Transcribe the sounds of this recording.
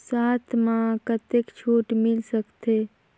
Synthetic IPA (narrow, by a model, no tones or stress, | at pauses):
saːt̪ʰmãkət̪ekt͡ʃʰoːʈmɪlsəkt̪ʰe